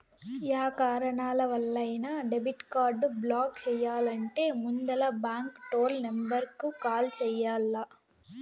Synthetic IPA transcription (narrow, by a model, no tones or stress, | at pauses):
jaːkaːɾɐɳaːlɐʋɐlːɐjnɐɖebiʈkaːɾɖblaːk̚t͡ʃɛːjːaːlɐɳʈe̞ːmund̪ɐlɐbaːŋkʈoːlnɐmbɐɾkːukaːlt͡ʃɛːjaːlːɐ